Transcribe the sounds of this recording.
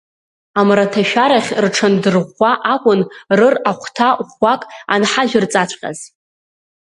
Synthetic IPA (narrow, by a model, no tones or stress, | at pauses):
amratʰaʃᶣaɾaχʲrʈ͡ʂʰandɨrʁʷaʔakʷʼʊnrɨraχʷtʰaχʷakʼa̰nħaʒʲʷᶣʊrt͡sʼat͡ɕʷʰʼqʲʼa̰z̥